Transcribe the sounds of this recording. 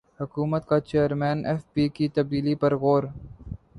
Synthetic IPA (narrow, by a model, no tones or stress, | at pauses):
hʊkuːmət̪kat͡ʃeːəɾmeːneːfpiːkit̪ɐb̚d̪iːlipɐɾɣoːɾ